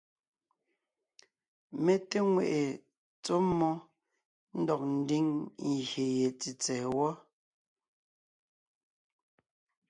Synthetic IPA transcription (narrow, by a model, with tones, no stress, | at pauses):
me˨te˦ŋwḛ˨ʔe˨ | t͡so˦mɔ˦ | n̩˦dɔ˨k̚n̩˨˦di˦ŋ˨ɣje˨je˨t͡si˨t͡sɛ˨wɔ˦